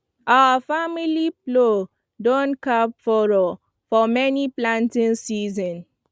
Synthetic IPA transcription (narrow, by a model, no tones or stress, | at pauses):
ʔafamiliplo | dõnkapfɔɹɔ | fɔmɛniplãntĩnsizɔ̃n